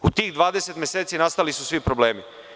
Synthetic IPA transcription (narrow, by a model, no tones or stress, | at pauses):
ut̪iːɣd̪ʋaːd̪eset̪mʲjeseːt̪sinast̪alisusʋipɾobleːmi